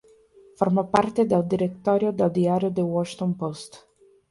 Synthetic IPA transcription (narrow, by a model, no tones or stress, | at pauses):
farmopart̪ed̪ald̪iɾet̪ːɔɾjod̪ald̪iaɾjod̪ewɔʃt̪onpost̪